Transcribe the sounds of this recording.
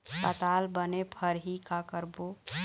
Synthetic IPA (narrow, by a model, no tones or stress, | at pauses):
kət̪aːlbənepʰəɾɦikakəɾbo